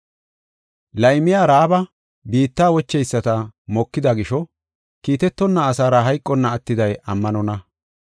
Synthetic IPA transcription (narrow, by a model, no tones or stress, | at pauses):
lɐjmɪjaːɾaːbɐ | biːt̪ːaːwɔt͡ʃːɛjsːɐt̪ɐmɔkːɪd̪ɐɡɪʃɔ | kiːt̪ɛt̪ːɔnːɐːsaːɾɐɦɐjkʼːɔnːɐːt̪ːɪd̪ɐjɐmːɐnɔnɐ